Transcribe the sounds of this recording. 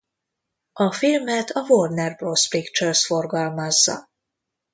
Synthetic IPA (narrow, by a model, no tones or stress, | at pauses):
ɒfilmɛt̪ʰɒvord̪nɛrbrospikt͡ʃørsfo̞rɡɒlmɒzːɒ̰